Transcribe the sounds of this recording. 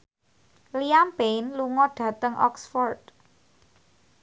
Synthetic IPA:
liampenluŋɔɖ̥ä̤t̪əŋʔɔ̰ksfɔrd̪̥̚

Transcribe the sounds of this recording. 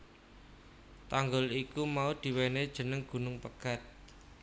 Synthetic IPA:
t̪aŋɡʊlikumaud̪̥i̤wened̥ʒ̥ə̤nəŋɡ̥ṳnʊŋpəɡ̥a̤t̪̚

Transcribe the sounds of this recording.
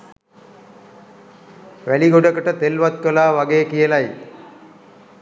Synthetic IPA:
ʋæliɡoɖəkəʈət̪elʋat̪̚kəlaːʋaɡeːkijəlaj

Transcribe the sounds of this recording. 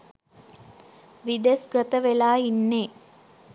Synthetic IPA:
ʋid̪esɡət̪əʋelaːinːeː

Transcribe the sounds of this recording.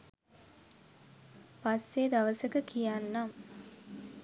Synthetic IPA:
pasːed̪aʋəsəkəkijanːam

